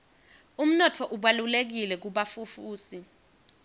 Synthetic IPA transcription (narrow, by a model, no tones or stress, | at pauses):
um̩nɔtʰɔʔuɓalulek̬ilɛk̬uɓafufuːsi